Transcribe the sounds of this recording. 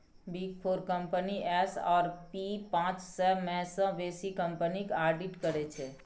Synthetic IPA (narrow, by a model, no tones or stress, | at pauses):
bik̚pʰoɾkəmpəniʔɛsɔ̰ːɾpipãt͡ʃsɛbmẽsə̃ʋesikəmpənikaɾɖiʈkəɾɛt͡ʃʰɛ